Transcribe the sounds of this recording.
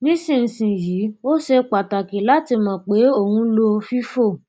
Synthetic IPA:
nĩ˦sĩ˦˨n̩˨sĩ˨ji˨˦o˦ʃe˧k͡pa˨ta˨ki˨˦la˦ti˧mã˨k͡pe˨˦o˦˨hũ˧˦lo˧fi˦fo˦˨

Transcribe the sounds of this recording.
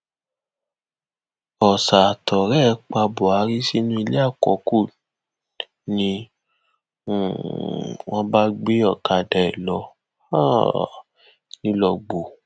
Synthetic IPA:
ɔ˨sa˨tʰɔ˨ɾɛ˦˧˦k͡pa˧bo˨a˨˦ɾi˦si˦nũ˦i˧le˦a˦˨kɔ̰˨˦ku˦˨ | nĩ˧˨ | w̃ɔ̃˦ba˦ɡ͡be˦ɔ˦˨ka˨dɛ˨ɛ˨lɔ˨˦ | a˦ | nĩ˦lɔ˧ɡ͡bo˨

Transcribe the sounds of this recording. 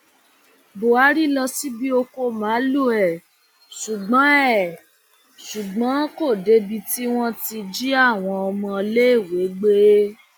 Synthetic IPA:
bo˨a˨˦ɾi˦lɔ˧si˦bi˦o˧ko˧mãː˨˦lu˦˨ɛ˨ | ʃu˨ɡ͡bɔ̃˨˦ɛ˦˨ | ʃu˨ɡ͡bɔ̃˨˦ko˦˨de˨˦bi˧ti˦w̃ɔ̃˦ti˧d͡ʒi˦a˦˨w̃ɔ̃˧ɔ˧mɔ̃˧le˦i˦˨we˨˦ɡ͡be˦

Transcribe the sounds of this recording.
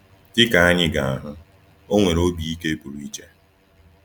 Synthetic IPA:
tɪ˦ka˨a˦ɲɪ˦ɡa˨a˨ɦʊ˦ | o˦ŋʷe˨ɾo˦bi˨i˦ke˦bu˨ɾu˦i˦t͡ʃe˦

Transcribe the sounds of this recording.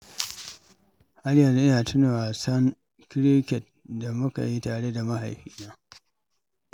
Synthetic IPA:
ha˦ljɐ˨n˨˦ʔnaː˨tʊ˦noː˨ʔa˨sɐ˦ŋ | kɪ˦ɾi˦kʲɛ˨t̚ | da˨mʊ˦ka̰˨ji˦taː˨ɽe˦da˨ma˦ɦa̰˨jɸiː˦naː˦

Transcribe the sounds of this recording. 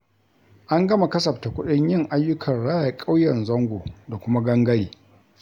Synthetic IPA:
ʔa˦ŋɡɐ˦ma˨kɐ˦sɐ˨pta˨kʷʊ˦ɗɪ˦ɲjɪ˦ŋʔa˦jːʊ˦kʰɐ˨nɽaː˦ja˨kʼa˦wjɐ˨nzɐ˦ŋɡʷoː˨da˨kʷʊ˦ma˦ɡɐ˦ŋɡɐ˦ɽiː˨

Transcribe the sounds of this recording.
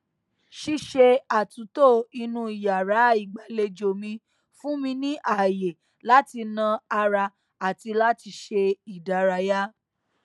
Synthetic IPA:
ʃi˧˦ʃe˧a˨tũ˨˦to˦˨i˧nũ˧˦i˨ja˨ɾa˨˦˨i˨ɡ͡ba˨le˧d͡ʒo˨mĩ˧ | fũ˦mĩ˧nĩ˦ʔa˦˨je˨ | la˦ti˧nã˧a˧ɾa˧ | a˨ti˧la˦ti˧ʃe˧i˨da˨˦ɾa˧ja˦

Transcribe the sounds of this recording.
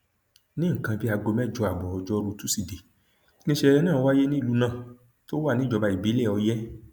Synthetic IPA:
nĩ˦˨kã˧bi˦a˧ɡo˧mɛ˦˨d͡ʒɔ˧a˨bɔ˨ɔ˧d͡ʒɔ˦ɾu˧tu˦si˦˨de˨ | nĩ˦ʃe˧ɛ˧nãː˦˨˧wa˦je˦nĩ˦˨u˨˦nã˦˨ | to˦wa˦˨nĩ˦d͡ʒɔ˧ba˧i˨bi˨˦lɛ˦˨ɔ˧jɛ˦

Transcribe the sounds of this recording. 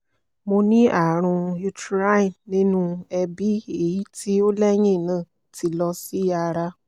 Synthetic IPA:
mo˧nĩ˦a˦˨ɾ̃ũ˧ju˧tɾa˦i˨nnĩ˦nũ˧ɛ˧bi˦e˦˨ji˨˦ti˦o˦lɛ˦j̃ĩ˦˨nãː˦˨ | ti˧˦lɔ˧si˦a˧ɾa˧

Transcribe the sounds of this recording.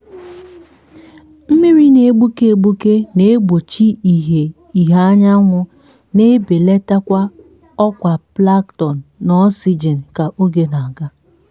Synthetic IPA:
m̩˦mi˦ɾi˦ne˨˦ɡ͡bu˦ke˦e˨ɡ͡bu˦ke˦ne˨˦ɡ͡bo˨t͡ʃi˦i˨ɦe˨ | i˨ɦa˦ɲa˦ŋʷʊ˦ | ne˦be˨le˦ta˦kʷa˦ | ɔ˦kʷa˨pla˦ktɔ˨n̩ː˨ɔ˦si˦d͡ʒe˨n̩˨ka˨ʔo˦ɡe˦na˨a˨ɡa˦

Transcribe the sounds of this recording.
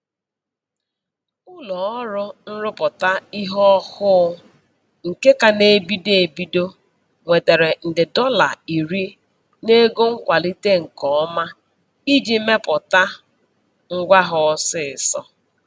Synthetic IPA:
ʊ˦lɔ˨ɔ˦ɾʊ˦n̩˦ɾʊ˦pʊ˨ta˦i˦ɦɔ˦hʊ˦ | ŋ̩˨ke˦ka˨ne˨bi˦de˦˨e˨bi˦do˦ | ŋʷe˨te˨ɾe˨n̩˨dɪ˨dɔ˦la̰˨i˨ɾi˦ | ne˦ɡo˦ŋ̩˦kʷa˨li˦te˦ŋ̩˨kɔ˨˦ma˦ | i˦d͡ʒi˨˦me˦pʊ˨ta˦ | ŋ̩˦ɡʷa˦ɦɔ˨˦sɪ˦ɪ˨sɔ˦

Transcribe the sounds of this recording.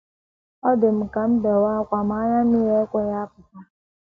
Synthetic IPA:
ɔ˦dɪ˨m̩˨ka˨m̩˦be˨wa˦kʷa˨m̩˨˦a˦ɲa˦nu˦e˦kʷe˦ja˦a˦pʊ˨ta˦

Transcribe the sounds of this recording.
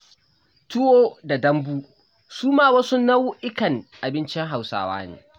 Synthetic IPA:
tʊ˦woː˦da˨dɐ˦mbuː˦ | suː˦maː˦wa˦sʊ˦nːɐ˦wʊ˦ʔɪ˦kɐ˨nʔa˨bɪ˦nt͡ʃɪ˦ŋɦa˨wsa̰ː˦wa̰ː˦nḛː˨

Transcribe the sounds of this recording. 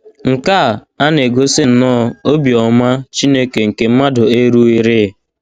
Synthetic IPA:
ŋ̩˨ka˦˨ | a˦n˨e˨ɡo˦sɪ˦n̩˨˦nɔː˦˨o˦bjɔ˨ma˦t͡ʃi˦ne˦ke˨ŋ̩˨ke˨m̩˦ma˦dʊ˨e˦ɾu˦i˦ɾɪ˦˨

